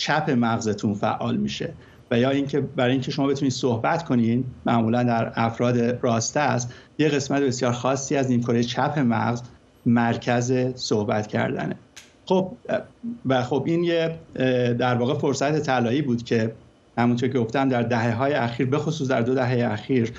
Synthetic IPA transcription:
t͡ʃʰæpʰe̞mæɣzet̪ʰunfæ̰ʔːɒ̰ːlmḭːʃe̞̰ | væjɒːiŋcʰe̞bæɾɒːjiŋcʰe̞ʃo̞mɒːbe̞t̪uniːd̪̥sohbæt̪kʰo̞nid̪mæʔmuːlænd̪æɾæfɾɒːd̪eɾɒːst̪æst̪je̞ɣe̞smæt̪ʰe̞be̞sjɒːɾxɒːsːiːæzniːmkʰoɾijet͡ʃʰæpʰe̞mæ̰ɣz | mæɾcʰæze̞sohbæ̰t̪cʰæ̰ɾd̪æ̰ne | xo̞b̚ | væxo̞binje | d̪æɾvɒːɣe̞fo̞ɾsæt̪ʰe̞t̪ʰælɒːiːbuːd̪cʰe̞ | hæmunt̪ʰo̞ɾcʲʰeɡoft̪æmd̪æɾd̪æɦe̞ɦɒːjeæxiːɾbe̞xo̞suːs̬d̪æɾd̪o̞d̪æɦejeæxiːɾ

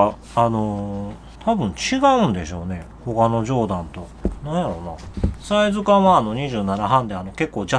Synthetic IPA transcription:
ano̞ | t̪ʰabɯ̟̃ɲt͡ɕiɡaɯ̟̃nd̪e̞̰ɕo̞ːne̞ho̞kano̞ʑo̞ːd̪ãnt̪o̞ | nãɰ̃jaɾo̞nasaizɨkãβaːno̞ɲ̟iʑɨːnanaɦãnd̪e̞ano̞ke̞kːo̞ːd͡ʑa

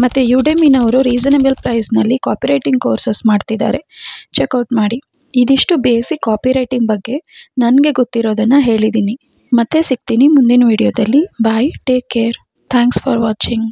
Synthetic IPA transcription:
mɐt̪ːejuːɖeminɐʋɾuɾiːd͡ʒɐnebɐlpɾɐjsnɐlːikaːpiɾɐjʈiŋɡ̚koːɾsesmaːɖt̪id̪a̰ːɾe̞t͡ʃekɐwʈmaːɽi | id̪iʂʈubeːsikːaːpiɾɐjʈiŋɡbɐɡːe̞nɐnɡe̞ɡot̪ːiɾo̞ːd̪ɐnːɐɦe̞ːɭid̪iːni | mɐt̪ːesik̚t̪iːnimund̪inɐʋiːɽijoːd̪ɐlːibajʈeːkːeːɾ | t̪ʰaːŋksfʰɔːɾʋaːt͡ʃiŋɡ

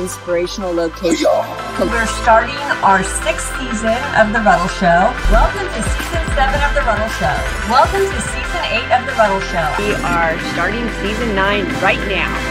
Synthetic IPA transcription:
ɪ̃nspə˞eɪʃn̩l̩ˠloʊkʰeɪʃnʰ | wɪɹstɑɹɾɪ̃ŋa˞sɪkssizɨ̃nʔʌvðəbʌɾl̩ˠʃoʊwɛlˠkə̃mtʰɨsizɨ̃nsɛvɨ̃nʌvðəvʌɾl̩ˠʃoʊ | wɛlˠkə̃mtʰɨsizɨ̃neɪɾʌvðɨbʌɾl̩ˠʃoʊiʔə˞stɑɹɾɪ̃ŋsizɨ̃nːãɪ̃nɹaɪtⁿnaʊ

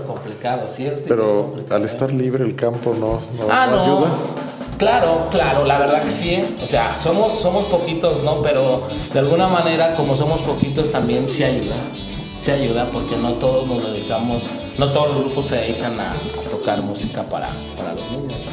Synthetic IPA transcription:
ko̞mplikaðosiestpeɾoialest̪aɾliβɾeːlkampononoannojuða | klaɾo̞klaɾo̞laβeɾðaðke̥sieose̞a̰so̞mo̞sːo̞mo̞spo̞kit̪o̞zno̞pe̞ɾo̞ | d̪ealɣunamane̞ɾako̞mo̞s̬o̞mo̞spo̞kit̪o̞st̪ambje̞nsiaʝuða | siaʝuðapo̞ɾke̞no̞t̪o̞ðo̞zno̞zðe̞ðikamo̞s | no̞t̪oðolozɣɾupo̞sːe̞ðeðikana̰t̪o̞kaɾmusikapa̰ɾa̰ | paɾa̰lo̰zmũnd̪os

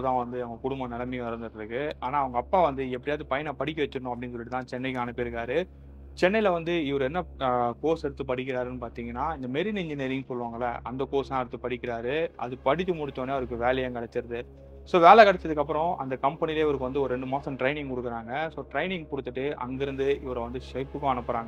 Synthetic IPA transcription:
t̪ãːʋɐnd̪ɯɐʋɐŋɡɐkʊɽʊmbɐnɛlɐmĩʋɐɾɯnd̪ɯɾɐɾɯkːɯaːnaːɐʋɐŋɡɐːpːaːʋɐnd̪ɯɛp̬ːɐɽɪjaːðɯpɐjɐnapɐɽɪk̬ʲːɐʋɐt͡ʃːɯɾɯnʊ̃ɐpɐɽɪnːs̬ɔlːɪʈɯt̪ãːt͡ʃɛnːɐɪkaːnɐpːeːɾɯkːaːɾɯ | t͡ʃɛnːɐɪlɐʋɐnd̪ɯɪʋɐɾɯɛnːɐkoːsɛɽɯt̪ːɯp̬ɐɽɪkːɪɾaːɾɯnːɯpaːɾt̪iːŋɡɐnːaːɪnd̪ɐmeːɾɪnɪɲd͡ʒɪneːɾɪŋɡsɔlːɯʋaːŋɡɐlːɐ̰ʔɐnd̪ɐkoːsãːɛɽɯt̪ːɯpɐɽɪkʲːɪɾaːɾɯʔɐ̰ðɯpɐɽɪt͡ʃːɯmʊɽɪt͡ʃːoːneːɐʋɐɾɯkːɯʋeːlɐjeːŋkɐɽɐt͡ʃ̪ːɪɾɐðɯ | soːʋeːlɛkɐɽɐt͡ʃːɐðɯkːɐpːɯɾɔ̃ʔɐ̰nd̪ɐkɐmpɛnɪleːɐʋɐɾɯkːɯʋɐnd̪ɯɔɾɯɾɛɳɖɯmoːsɐ̃mʈɾɐɪnɪ̃ŋɡkʊɽɯkːɪɾaːŋɡɐsoːʈɾɐɪnɪŋɡkʊɽɯt̪ːɯʈːɯʔɐ̰ŋɡɪɾɯnd̪ɯɪʋɐɾɐʋɐnd̪ɯʂɛpːɯkːʊ̃ɐnɯpːɯɾaːŋɡɐ

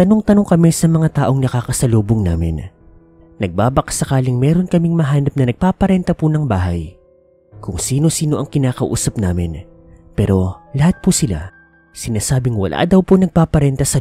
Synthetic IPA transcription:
t̪ɐnoŋt̪ɐno̞ŋkɐmɛsɐmɐŋat̪aːʔo̞ŋnɐkaːkɐsɐloːboŋnaːmɪ̰n | nɐɡ̚baːbɐksɐkaːlɪŋmɛːɾo̞nkɐmiŋmɐɦaːnɐp̚nɐnɐɡ̚paːpɐɾɛnt̪ɐpunɐŋbaːɦɐj | kʊŋsiːno̞siːno̞ʔɐŋkɪnaːkɐʔṵːsɐp̚naːmɪn | pɛːɾo̞lɐhat̪̚pusɪla̰ | sɪnaːsaːbɪŋwɐ̰lʔa̰ːd̪ɐwponɐɡ̚paːpɐɾɛnt̪ɐsɐ

